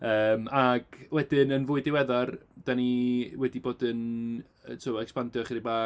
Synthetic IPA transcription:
əːmaɡ̥wɛdɪnənvʊɨdɪwɛðard̥aniwɛdiboːdən | ətʰɔɛkspandjɔχiɾibaː

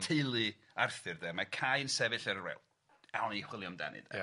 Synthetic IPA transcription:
tʰejlˠi | arθɨrdɛmakʰajnsɛvɪɬəɾrɛ̰lˠ | ɛɔneχwɪlˠjɔmda̰nɨ̰d̥

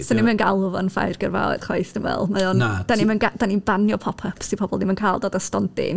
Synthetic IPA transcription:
sɔnimənɡalˠvɔnfa̰jrɡərva̰wɛ̰d̥χwa̰jθd̥əmvɛ̰lˠmajɔnd̥animənɡad̥anibanjɔpʰɔpʰəpʰsipʰɔb̥ɔlˠnimənkʰaːlˠdoːdastɔndɪ̰n

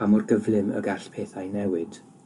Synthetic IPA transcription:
amʊrɡəvlɪmə̰ɡɛɬpʰeːθajnɛwɪd̥

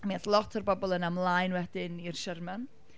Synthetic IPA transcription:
meθlˠɔtʰərbɔbɔlˠənamlˠajnwɛdɪnirʃɛrman

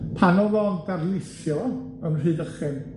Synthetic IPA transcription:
pʰanɔvɔndarlˠɪθjɔ | ənr̥ɨːdəχɪn

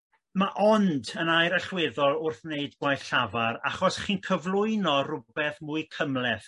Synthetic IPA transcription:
maʔɔndənajɾəɬwɪðɔlˠʊrθneɨdɡwajɬavaɾa̰χɔsχiːnkʰəvlˠʊɨnɔrʊbɛθmʊɨkʰəmlɛθ

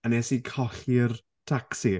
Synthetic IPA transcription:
anesikʰɔɬir | tʰaksi

